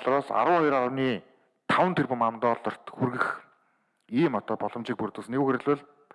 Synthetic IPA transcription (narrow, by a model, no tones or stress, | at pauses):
ɮ̆ɾɔːsa̰ɾə̆wχɔjraɾə̆wniː | t̪ʰawənt̪ʰerpɘ̆mamt̪ɔːɮɞ̆r̥t̪xurɣɘ̆x | iːmɔt̪ɔːpɔɮɞ̆mt͡ɕiːk̚puɾt̪uːsneɣuːxeɾɮʊ̆ɮ